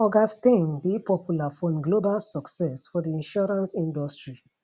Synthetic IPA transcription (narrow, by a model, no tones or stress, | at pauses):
ɔɡastẽndepɔpjulafɔ̃mɡlobalsɔksɛsfɔdiĩnʃɔɾãnsĩndɔstɹi